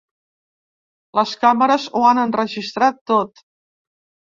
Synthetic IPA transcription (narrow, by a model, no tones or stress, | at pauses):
ləskaməɾəzuanənrəʒist̪ɾat̪ːot̪